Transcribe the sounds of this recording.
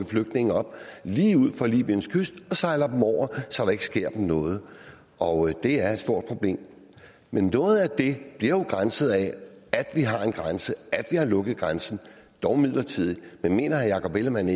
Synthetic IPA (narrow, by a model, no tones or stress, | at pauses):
ɡ̩fløɡ̥̚d̥ne̝ŋ̩ɒ̽b̥̚liːuð̞̰ˠfɑlḭːb̥iənskʰøsd̥ɒ̽sɑ̈ɪlɐd̥em̩ɒʊ̰ɐsɒd̥ɾɑ̈e̝ɡ̥ə̥sɡ̥e̝ɐ̰d̥m̩nɔ̽ːð̞̩ˠ | ʔɒ̽d̥e̝æɐed̥sd̥o̝ɐ̰d̥̚pʰʁo̝b̥le̝̰ːm | menːɔ̽ːð̞̩ˠæd̥e̝b̥liɐjo̝ɡ̥ʁansəð̩ˠɛæd̥ʋiɦɑ̈e̝nɡ̥ʁansəæd̥ʋihɑ̈lɔ̽ɡ̥əð̩ˠɡ̥ʁansn̩ | d̥ɒʊmið̰ˠlɐt͡sʰið̰ˠimenme̝̰ːnɐhænjɑ̈kʰɒ̽b̥eləmæn